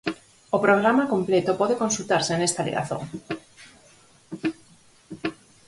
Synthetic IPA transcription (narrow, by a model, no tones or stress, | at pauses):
opɾoɣ̞ɾamakõmplet̪opoðekonsult̪aɾseːnest̪alḛɣa̰θo̰ŋ